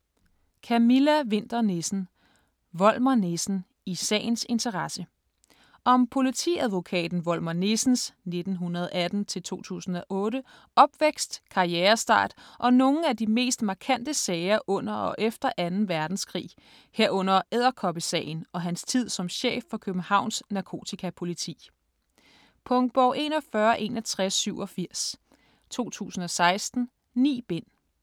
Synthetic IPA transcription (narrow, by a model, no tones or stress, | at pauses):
kʰæmilæʋe̝n̰d̥ɐne̝sn̩ | ʋɒ̽l̰mɐne̝sn̩ | isɛ̰ːɪnse̝nt͡sʰɐʁɑsə | ʔɒ̽mpʰo̝lit͡sʰḭæðˠʋo̝kʰɛ̰ːd̥n̩ʋɒ̽l̰mɐne̝sn̩sne̝d̥n̩ɦunɐð̞ˠæd̥n̩t͡sʰe̝lt͡sʰo̝̰ːt͡sʰṵːsn̩ɒ̽ʔɔ̽ːɾə | ɒ̽b̥ʋeɡ̥sd̥kʰɑ̈ieːɐsd̥ɑ̰̈ːd̥ʔɒ̽no̝ŋ̩æd̥ime̝̰ːsd̥mɑ̈kʰæn̰d̥əsɛːɪɐʔɔ̽n̰ɐɒ̽ʔefd̥ɐʔænn̩ʋæɐd̥n̩skʰʁḭː | heɐɔ̽n̰ɐeð̞̰ˠɐkʰɒ̽b̥isɛ̰ːɪn̩ɒ̽ɦænst͡sʰið̞̰ˠsɒ̽mɕḛːfːɒ̽kʰøb̥n̩hɑ̈ʊ̰nsnɑ̈kʰo̝̰ːt͡sʰikʰæpʰo̝lit͡sʰḭː | pʰɔ̽ŋd̥̚b̥ɒ̰ːʔe̝̰ːnɒ̽fɶɐʔe̝̰ːnælt͡sʰʁasːyʊɒ̽fiɐ̰s | t͡sʰo̝̰ːt͡sʰṵːsn̩ɒ̽sɑ̈ɪsd̥n̩ | nḭːb̥e̝n̰